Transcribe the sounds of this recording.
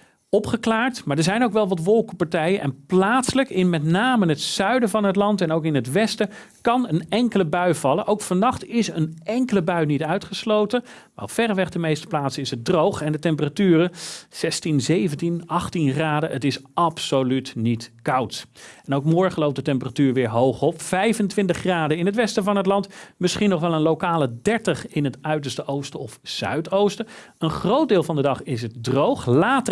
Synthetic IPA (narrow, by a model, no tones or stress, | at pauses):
ɔpχəklaːɹtmaːɹdəɹzɛjnowkʋɛlˠʋɑtʋɔlˠkəpɑɹtɛjənʔɛnplaːtsələkɪnmɛtnaːməɦətsœɥdəvɑnɦətlɑntɛnowkɪnɦətʋɛstə | kɑnənɛŋkələbœɥv̥ɑlənʔowkfɑnɑχtɪsənɛŋkələbœɥnitœɥtχəslowtə | ʋɛ̰lˠfɛrʋɛχdəmejstə̥plaːtsəɪsət̚drowχɛndətɛmpəratyːrəz̥ɛstinzejvəntinɑχtinχraːdəətɪsʔɑpsolytnitkɑwtɛnowkmɔɹχənlowp̚dətɛmpəratyːɹʋɪːɹɦowχɔpfɛjvəntʋɪntəχːraːdəɪnɦətʋɛstəvɑnɦətlɑntmɪsχinɔχʋɛlˠənlowkaːlˠədɛɹtəχɪnɦətœɥtəɹstəʔowstəɔfsœ̰ɥtowstə | ənχrowd̚dɪːlˠvɑndədɑχɪs̬ət̚drowχlaːtə